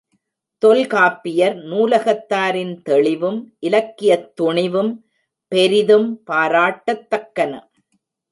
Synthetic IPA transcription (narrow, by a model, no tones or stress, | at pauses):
t̪ɔlkaːpːɪjɐɾnuːlɐɣɐt̪ːaːɾɪnt̪ɛɭɪʋɯmʔɪlɐkːɪjɐt̪ːʊɳɪʋɯm | pɛɾɪðɯmpaːɾaːʈːɐt̪ːɐkːɐnɐ̰